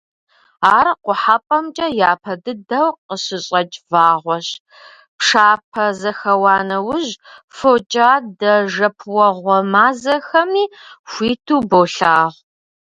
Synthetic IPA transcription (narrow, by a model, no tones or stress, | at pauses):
aːɾqʷʊħapʼɐmt͡ʃʼɐjaːpʰɐdɨdɐwqəɕɪɕʼɐt͡ʃʼvaːʁʷɔɕ | pʂaːpʰɐzɐxɐwɑːnɐwʊʑfot͡ʃʼaːdɐʒɐpʰwɐʁʷɔmaːzɐxɐmiːxʷiːtʰuːboːɬaːʁʷ